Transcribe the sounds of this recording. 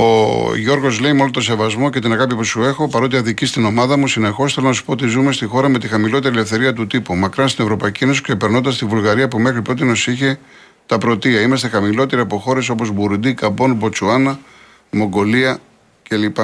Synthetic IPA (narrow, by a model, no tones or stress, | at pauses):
o̞̰ʝo̞ɾɣo̞zle̞imolot̪o̞se̞vɐzmo̞ce̞t̪inɐɣɐpipusue̞xo̞pɐɾo̞t̪̬iɐðicist̪ino̞mɐðɐmusine̞xo̞sθelo̞nɐsu̥poot̪izume̞st̪ixo̞ɾɐme̞t̪ixɐmilo̞t̪eɾiele̞fθe̞ɾiɐt̪ut̪ipumɐkɾɐst̪ine̞vɾo̞pɐicieno̞siksepe̞ɾno̞nd̪ɐst̪ivulɣɐɾiɐpume̞xɾipɾo̞t̪ieno̞siçe | t̪ɐpɾo̞t̪iɐimɐst̪e̞xɐmilo̞t̪e̞ɾiɐpo̞xo̞ɾe̞so̞po̞zbuɾund̪ikɐbo̞nbo̞t͡suɐnɐ | mo̞ŋɡo̞liɐ | ce̞lipɐ